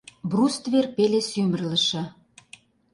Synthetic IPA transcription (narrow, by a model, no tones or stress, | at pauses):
brust̪verpelesymə̆rlə̆ʃɤ̆